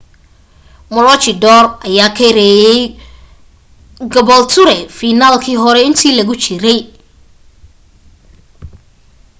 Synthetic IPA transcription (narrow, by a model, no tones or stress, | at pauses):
mɔlɔt͡ʃɪd̪ɔːrʔɐjaːkʰɛɾɛjɛj | ɡɐβɔlt̪ʰʊɾɛfiːnaːlkʰiːɦɔɾɛɪnt̪ʰiːlɐɣʊt͡ʃɪɾɛj